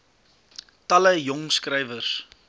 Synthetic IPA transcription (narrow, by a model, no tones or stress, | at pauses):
tɐləjɔŋskrəjvərs